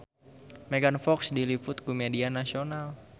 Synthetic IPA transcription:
meɡanfɔksdilifʊt̪̚kumedianasional

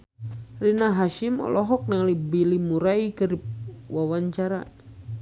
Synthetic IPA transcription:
rinaɦaʃimɔ̰lɔɦɔk̚nalibilimuɾaikɨriwawaɲt͡ʃaɾa

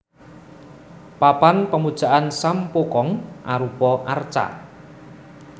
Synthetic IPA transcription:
papanpəmud̥ʒ̥a̤ʔansampokɔŋʔaɾupɔʔart͡ʃa̰

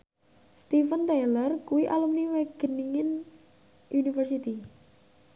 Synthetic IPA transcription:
st̪ifənt̪elərkuwiʔalumniweɡ̥ə̤niŋɪn | ʔunifərsit̪i

